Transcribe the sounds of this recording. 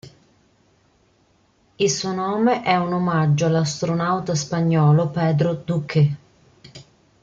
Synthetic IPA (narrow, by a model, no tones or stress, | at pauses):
ilsuonɔːmeʔɛunomad͡ʒːoalːast̪ɾonawt̪aspaɲːɔːlopɛːd̪ɾod̪ukʰe